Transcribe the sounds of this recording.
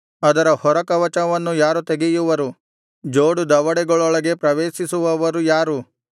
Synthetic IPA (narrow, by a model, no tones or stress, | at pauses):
ɐd̪ɐɾɐhɔɾɐkɐʋɐt͡ʃɐnɐʋɐnːujaːɾut̪eɡejuʋɐɾu | d͡ʒoːɽud̪ɐʋɐɽɛɡɐɭɔɭɐɡe̞pɾɐʋeːʃisuʋɐʋɐɾujaːɾu